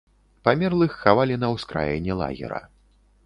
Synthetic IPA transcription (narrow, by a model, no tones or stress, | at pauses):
pamʲɛrlˠɨxːavalʲinɐwskɾa̰jɛ̰nʲɛlˠa̰ɣʲɛ̰ɾɐ̰